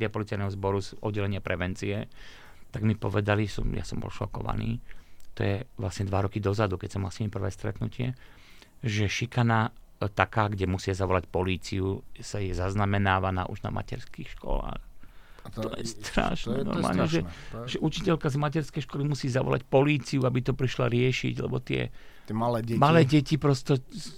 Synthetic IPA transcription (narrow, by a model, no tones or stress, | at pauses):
ɪapɔlit͡sajnɛɦɔzbɔɾuzʔɔ̰d̪ːɛlɛɲɪapɾɛʋɛnt͡siɛ | t̪aɡmipɔʋɛd̪alisɔmja̰sɔmbɔ̰lʃɔkɔ̰ʋa̰nḭːt̪ɔ̰jɛʋlasɲɛd̪ʋaɾɔkid̪ɔzad̪ukɛcsɔmːalsimipr̩ʋɛːst̪ɾɛt̪nucɪɛ̰ | ʒɛʃikana | t̪akaːɡɟɛmusɪazaʋɔlacpɔliːt͡siusajɛzaznamɛnaːʋana̰ːʔṵʒna̰ma̰cɛɾskiːxʃkɔ̰la̰ːxt̪ɔjɛst̪ɾa̰ʃnɛ̰nɔ̰ɾmaaːlɲɛʒɛʒɛʔut͡ʃicɛʎkazmac̬ɛɾskɛjʃkɔlimusiːzaʋɔ̰la̰cpɔliːt͡siuabit̪ɔpɾiʃla̰ɾɪɛʃḭɟlɛ̰bɔt̪ɪɛ̰ | alɛɟmalɛːɟɛcipɾɔst̪ɔ